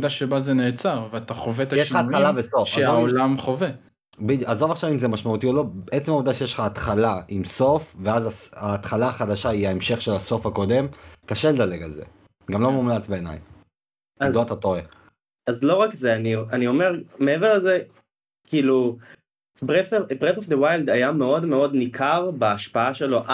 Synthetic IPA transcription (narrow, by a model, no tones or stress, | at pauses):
d̪aʃebazeneːt͡saʁveat̪aχovet̪ajeʃχat̪χalabeso̞fʃaezaovolamχove | bid̪azo̞vaχʃavimzemaʃmaut̪io̞lo̞beet͡semauvd̪aʃejeʃlχaːt̪χalaʔimso̞fve̞azasaːt̪χalaaχad̪aʃaiaemʃe̞χʃe̞laso̞fhako̞d̪e̞mkaʃe̞led̪ale̞ɡalze̞̰ | ɡamlo̞mumlat͡sbeːna̰j | azloat̪at̪oʁe | azlo̞ʁakzeanianio̞me̞ʁmeeveʁleze | kiːlu | bebʁet̪ofd̪ewajld̪ajameo̞d̪meo̞d̪nikʰaʁbaaʃpaaʃelo̞ʔa